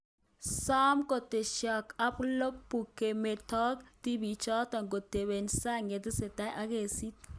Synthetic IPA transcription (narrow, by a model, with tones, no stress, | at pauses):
sɔ˦mko˨te˨ʃjɔ˨ka˦plo˦k̚pu˨ke˨me˨tɔ˦kti˦bi˨t͡ʃɔ˦ta˨ŋɡo˨te˨be˨nsa˦ŋe˨t̪ɪ˦se˨ta˦jʔa˦ke˨si˦t̚